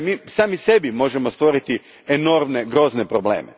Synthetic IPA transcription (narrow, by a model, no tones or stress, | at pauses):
miːsaːmise̞bimo̞ʒemost̪ʋo̞ɾit̪i | eno̞ɾmneɡɾo̞znepɾobleːmḛ